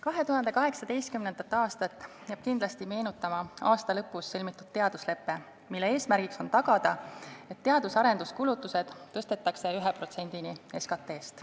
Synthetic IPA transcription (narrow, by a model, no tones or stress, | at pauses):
kɑɦe̞t̪uhɦɑnd̪e̞kɑɦe̞ksɑd̪e̞jst̪kymne̞nd̪̥ɑt̪ːˑɑːst̪ɑt̪ːˑ | jɑːb̥kind̪̥lɑst̪ime̞ːnut̪ːˑɑmɑɑːst̪ɑlɤpːˑusːɤlmit̪ːˑud̪̥t̪e̞ɑd̪̥usle̞pːe̞ | milːee̞ːsmæɾɡ̥ikso̞nt̪ɑɡ̥ɑd̪̥ɑe̞t̪ːe̞ɑd̪̥usɑɾe̞nd̪̥uskulut̪ːˑuse̞d̪̥t̪ːɤ̞st̪e̞t̪ːˑɑkse̞yɦepro̞t̪se̞nʲd̪̥inie̞skɑt̪ːˑe̞ːst̪